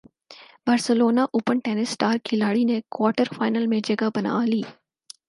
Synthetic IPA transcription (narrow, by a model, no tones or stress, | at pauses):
bɐɾsəloːnaʔʊpəɳʈeːnɪsʈaːɾkʰɪlaːɽinekwaːʈəɾfaːɪnəlmẽd͡ʒɐɡabɐna̰ːliː